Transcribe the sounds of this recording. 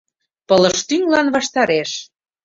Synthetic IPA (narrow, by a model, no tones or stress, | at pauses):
pə̆lə̆ʃt̪yŋlɑnβɑʃt̪ɑɾeʃ